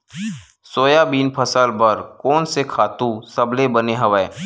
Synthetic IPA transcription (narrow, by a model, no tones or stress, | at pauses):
soːjabiːnpʰɐsəlbɐɾkɔːnsekʰaːt̪ũsɐblebɐneɦɐʋɛː